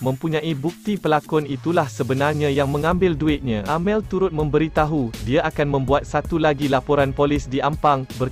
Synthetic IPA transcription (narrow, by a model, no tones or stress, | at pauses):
mə̃mpuɲãʔibuk̚t̪ipəlakɔnit̪ulahsəbənarɲãjaŋmə̃ŋãmbɪlduɪt̪̚ɲãʔamɛlt̪uɾʊt̪̚mə̃mbəɾit̪aɦudiaʔakanmə̃mbuat̪̚sat̪ulaɡilapoɾanpolɪsdiʔampaŋbər